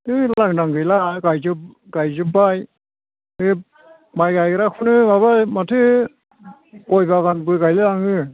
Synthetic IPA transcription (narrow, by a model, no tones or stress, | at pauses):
ɯlaŋdaŋɡɯjlakajzɯ | ɡajzɯbaj | ɯ | majkajɡɯɾakʰunɯbaβamatʰɯ | kɔjbakanbɯkajlɯlaŋɯ